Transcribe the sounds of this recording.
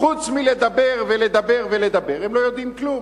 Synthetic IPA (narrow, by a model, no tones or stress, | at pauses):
χut͡smile̞d̪abe̞ʁvele̞d̪abe̞ʁvele̞d̪abe̞ʁemlo̞jod̪imklum